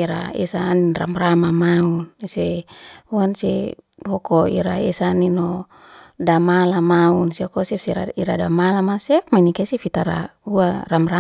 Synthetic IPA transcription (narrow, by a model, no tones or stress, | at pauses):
iɾa̰ɛ̰saːninra̰mramamaunseuansḛ | hɔkoiɾaɛsaːnino | damalamaunsiokɔsɛfseɾa̰iɾadamalamasɛpmainikesifit̪aɾa̰uaramɾa